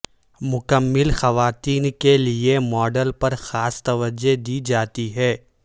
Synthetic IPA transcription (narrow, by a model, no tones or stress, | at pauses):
mʊkəmːɪlxɐʋaːt̪iːnkeliemɔːɖəlpɐɾxaːst̪ɐʋəd͡ʒed̪id͡ʒaːt̪iɦɛː